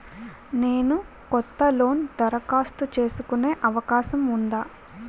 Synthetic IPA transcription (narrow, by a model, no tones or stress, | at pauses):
ne̞ːnu | kɔt̪ːɐlo̞ːnd̪ɐɾɐkaːst̪ut͡ʃe̞ːsukune̞ːʔɐʋɐkaːʃɐmund̪aː